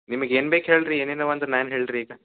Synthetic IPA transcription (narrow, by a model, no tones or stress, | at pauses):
nimɐɡeːnbeːkɦeːɭɾieːneːnɐʋɐnt̪ɾɐnaːnɦeːɭɖɾiːɡɐ